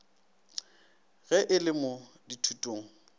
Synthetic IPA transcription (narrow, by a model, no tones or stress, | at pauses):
ɣɛʔɪlɪmʊ | ditʰutʼoːŋ̩